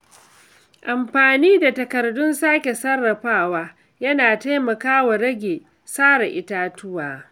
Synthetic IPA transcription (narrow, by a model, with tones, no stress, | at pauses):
ʔa˨mɸaː˨niː˦da˨tɐ˨kɐ˨rdʊ˦nsaː˦kʲe˨sɐ˦rːɐ˨ɸaː˦˨waː˦ | jɐ˦naː˨ta˦jmɐ˨kaː˦wa˨ɾɐ˦ɡʲeː˨ | saː˦ɽa˨ʔɪ˦taː˦tʊ˦waː˨